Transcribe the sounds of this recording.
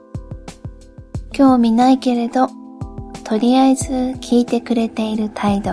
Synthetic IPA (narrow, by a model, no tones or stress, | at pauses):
kʲo̞ːmʲinaike̞ɾe̞d̪o̞ | t̪ʰo̞ɾʲiaezɨkʲʰiːt̪e̞kɯ̟ɾe̞t̪e̞iɾɯ̟t̪ʰaid̪o̞